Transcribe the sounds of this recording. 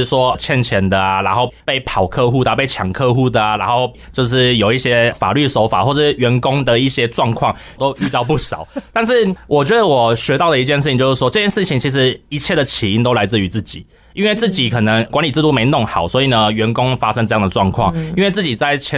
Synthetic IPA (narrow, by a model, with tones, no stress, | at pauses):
ʂwɔ˥˩t͡ɕʰjɛ˥˧nt͡ɕʰjɛ˧˥nd̪ə˨ɻa˧˥nxo˥˧ʊpe˥˩ɪpʰɑ˨˩ʊkʰɤ˥˧xu˥˩d̪ə˩pe˥˩ɪt͡ɕʰjɑ˨˩ŋkʰɤ˥˧xu˥˩d̪ə˩ɻa˧˥nxo˥˧ʊ | t͡ɕjo˥˧ʊʂɻ̩˥˩jo˨˩ʊi˥˩ɕjɛ˥fa̰˨˩ly˥˩ʂo˧˥ʊfa̰˨˩xwɔ˥˧ʈ͡ʂəʂɥɛ˧˥nkʊ˥ŋd̪ə˨i˥˩ɕjɛ˥ʈ͡ʂwɑ˥˧ŋkʰwɑ˥˩ŋ | t̪o˥ʊy˥˧t̪ɑ˥˧ʊpu˥˩ʂɑ˨˩˦ʊt̪a˥˧nʂɻ̩˥˩wʔɔ˨˩t͡ɕɥɛ˧˥d̪ə˧wɔ˨˩ɕɥɛ˧˥t̪ɑ˥˩ʊd̪ə˩i˧˥t͡ɕjɛ˥˧nʂɻ̩˥˩i˨ŋt͡ɕjo˥˧ʊʂɻ̩˥˩wɔ˥ɤ˥˧t͡ɕjɛ˥nʂɻ̩˥˩t͡ɕʰi˨ŋt͡ɕʰi˧˥ʂ̬ɻ̩˧˥i˧˥t͡ɕʰjɛ˥˩d̪ə˩t͡ɕʰi˧˨˩i˥nt̪o˥ʊla˧˥ɪt͡sɹ̩˥˩y˧˥t͡sɹ̩˥˩t͡ɕḭ˨˩˦ | i˥nwe˥˧ɪt͡sɹ̩˥˩t͡ɕi˨˩kʰɤ˨˩nə˧˦ŋkwa˧˥nli˨˩t͡sɹ̩˥˧t̪u˥˩me˧˥ɪnʊ˥˩ŋxɑ˨˩˦ʊswɔ˧˥i˨˩nə˦ɥɛ˧˥nkʊ˥ŋfa˥ʂə˥ŋʈ͡ʂɤ˥˧jɑ˥˩ŋd̪ə˩ʈ͡ʂwɑ˥˧ŋkʰwɑ˥˩ŋi˥nwe˥˧ɪt͡sɹ̩˥˩t͡ɕi˨˩t͡sa˥˩ɪt͡ɕʰjɛ˥